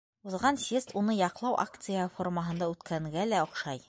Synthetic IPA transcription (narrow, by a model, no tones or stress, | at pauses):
uðʁɑnsʲest̪unɤjɑqlˠɑwʔa̰k̚t̪sɨjaformaɦɤ̆nd̪ɑʉt̪kʰæŋɡælæŏqʃɑj